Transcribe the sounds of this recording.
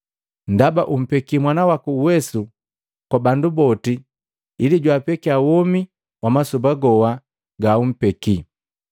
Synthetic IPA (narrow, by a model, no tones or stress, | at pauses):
ndabaʔum̩pɛkimwanawakuːwɛsu | kwabandubɔtiː | liɟwapɛkiawɔmi | wamasubaɡɔwa | ɡaum̩pɛki